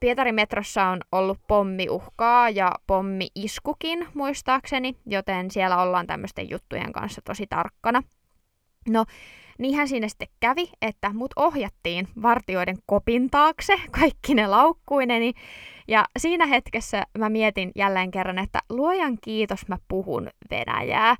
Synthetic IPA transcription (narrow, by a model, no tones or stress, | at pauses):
piet̪ɑɾimet̪rosːɑonolːuppomːiʔuhkɑːjɑpomːiʔiskukinmuist̪ɑːksenijot̪ensielːæolːɑːnt̪æ̰mːøst̪ḛjṵt̪ːṵjḛŋkɑ̰nsːɑt̪osit̪ɑ̰rkːɑnɑ | no | niːhænsiːnæsi̥t̪ːekkæʋiet̪ːæmut̪ohjɑt̪ːiːnʋɑrt̪ioideŋkopint̪ɑːksekɑikːinelɑukːuinenijɑsiːnæɦet̪kesːæmæmiet̪injælːeːŋkerːɑnet̪ːæ̰luojɑŋkiːt̪osmæpuhṵnʋḛnæ̰jæ̰ː